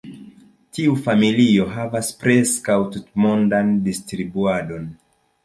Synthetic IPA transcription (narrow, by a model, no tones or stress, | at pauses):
tiufamilio̞ɦavaspɾe̞skawtutmondandistɾibuado̞n